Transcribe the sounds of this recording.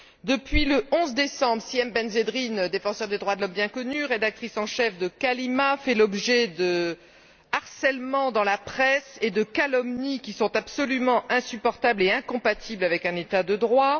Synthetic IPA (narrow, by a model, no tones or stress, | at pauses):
d̪əpɥiləʔɔ̃zd̪esɑ̃bʁsiɛmbɛnzed̪ʁind̪efɑ̃sœʁd̪ed̪ʁwad̪əlɔmbjɛ̃kɔnyʁed̪ak̚t̪χisɑ̃ʃɛfd̪əkalimafɛlɔbʒɛd̪ə | aʁsɛlmɑ̃d̪ɑ̃lapχɛsed̪əkalɔmnikʲisɔ̃t̪absɔlymɑ̃ʔɛ̃sypɔʁt̪ableɛ̃kɔ̃pat̪ʰiblavɛkɛ̃net̪ad̪əd̪ʁwa